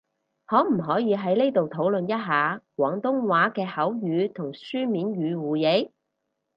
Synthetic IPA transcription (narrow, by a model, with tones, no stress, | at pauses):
hɔː˨˥m̩˨˩ɦɔː˨˥jiː˨˧ɦɐ˨˥jne˥jt̪o˨wt̪ʰo˨˥wlɵ˨njɐ˥t̚ɦaː˨˧kwʷɔː˨˥ŋt̪ʊ˥ŋwaː˨˥kɛː˧hɐ˨˥wjyː˨˧t̪ʰʊ˨˩ŋsyː˥miː˨˥nɥyː˨˧wuː˨je˨˧˥j